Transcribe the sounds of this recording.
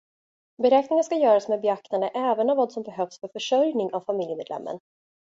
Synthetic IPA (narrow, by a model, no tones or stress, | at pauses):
bɛɾɛːknɪŋanskajœːɾasmeːd̪bɛakt̪and̪əʔɛːvənɔvɑːd̪sɔmbɛɦœfsfœɾfœʂœɾjnɪŋavfamɪljəmeːd̪lɛ̰mːə̰n